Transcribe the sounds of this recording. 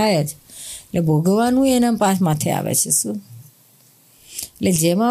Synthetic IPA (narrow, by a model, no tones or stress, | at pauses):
ajɛt̪ʰ | lʔebʱoɡəʋanũenəmpasmat̪ʰɛa̰ʋɛ̰t͡ʃʰisu | led͡ʒemã